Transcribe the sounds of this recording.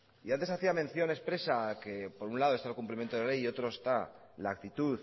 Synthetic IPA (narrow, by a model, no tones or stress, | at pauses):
iant̪e̞saθiamẽ̞nθjo̞ne̞spɾe̞sake̞po̞ɾunlaðoe̞st̪alkumplimjent̪oðle̞jio̞t̪ɾo̞est̪a | laːk̚t̪it̪uθ